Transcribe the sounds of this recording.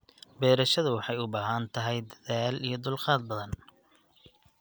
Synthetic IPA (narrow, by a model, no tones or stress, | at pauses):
bɛːɾɐʃɐðʊwɑħɑjʊbaːɦɐnt̪ʰɐɦɛjd̪ɐðaːlijɞd̪ʊlqɑːd̪̚bɐðɐn